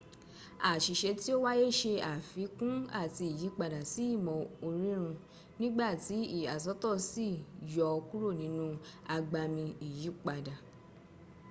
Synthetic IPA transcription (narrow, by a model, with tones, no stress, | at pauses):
a˨ʃi˨ʃe˧ti˦o˦wa˦je˦˨ʃe˧a˨fi˨˦kũ˦a˦˨ti˧i˨ji˨˦k͡pa˧da˨si˨˦i˦˨mɔ̃˨o˧ɾi˦ɾ̃ũ˧ | nĩ˦ɡ͡ba˦˨ti˨˦i˦˨a˨s̬ɔ˨˦tɔ˦˨si˦˨jɔ˧ku˦ɾo˦˨nĩ˨˦nũ˦a˧ɡ͡ba˧mĩ˧i˨ji˨˦k͡pa˧da˨